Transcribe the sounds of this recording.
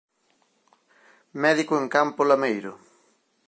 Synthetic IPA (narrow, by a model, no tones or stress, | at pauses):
mɛðikʊeŋkampolamejɾʊ